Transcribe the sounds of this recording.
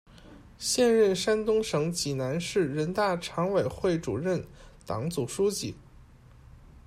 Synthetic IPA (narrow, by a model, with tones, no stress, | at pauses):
ɕjɛ˥˧nɻə˥˩nʂa˥nt̪ʊ˥ŋʂɤ˧˥ŋt͡ɕi˨˩na˧˥nʂɻ̩˥˩ɻə˧˥nt̪a˥˩ʈ͡ʂʰɑ˧˥ŋwe˨˩ɪxwe˥˩ɪʈ͡ʂu˨˩ɻə˥˩nt̪ɑ̰˨˩˥ŋt͡su˨˩ʂu˥t͡ɕi˥˩